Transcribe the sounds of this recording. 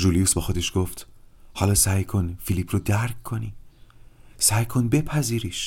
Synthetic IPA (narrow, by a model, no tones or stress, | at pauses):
ʒuːlijuːsbɒxo̞d̪eʃɡ̥oft̪hɒːlɒːsæjkʰo̞nfiliːpʰrod̪æɾkʰkʰːoni | sæjkʰo̞nbepʰæziːɾiːʃ